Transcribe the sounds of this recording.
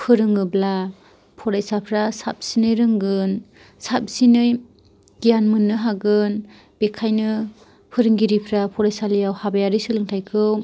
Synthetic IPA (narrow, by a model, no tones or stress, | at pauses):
pʰɯɾɯŋɯbla | pʰɔɾajsapʰɾasa̰p̚sinɯjɾɯŋɡɯn | sap̚sinɯj | ɡijanmɯnːɯɦaɡɯn | b̥ekʰajnɯ | pʰɯɾɯŋɡiɾipʰɾapʰɔɾajsalɯjawhabajaɾisɯlɯŋtʰajkʰɯw